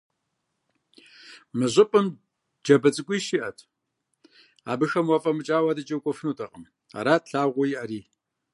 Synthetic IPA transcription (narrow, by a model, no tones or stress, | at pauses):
mɨʑʷɪpʼɨm | d͡ʒɐbɐt͡sʼɨkʷʼiːʃiʔɐtʰ | a̰ːbɨxɐmwɐfʼɐmɨt͡ʃʼaːwadɨt͡ʃʼɐwkʷʼɔfɨnuːtʰʼɐqʼəm | a̰ɾaːt̚ɬaːʁʷʊjiʔɐɾiː